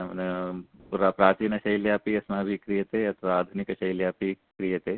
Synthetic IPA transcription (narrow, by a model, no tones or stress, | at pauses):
n | ɾapɾaːt͡ʃiːnɐʃɐjljaːpiɐsmaːbʱikɾijɐt̪eɐt̪ʰʋaaːd̪ʱunikɐʃɐjljaːpi | kɾijɐt̪eː